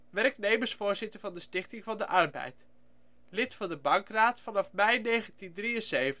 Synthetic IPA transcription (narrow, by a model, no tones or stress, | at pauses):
ʋɛrknejməɹsfʊːɹzɪtəɹvɑndəstɪχtɪŋvɑndəʔɑrbɛ̰jt | lɪtfɑndəbɑŋkraːtfɑnɑfmɛjnejχəntindriənzejv